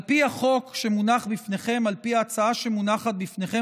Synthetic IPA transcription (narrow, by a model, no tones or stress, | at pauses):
lpiaχo̞kʃe̞munaχbifne̞χe̞malpiaːt͡saaʃe̞munaχat̪̚bifne̞χe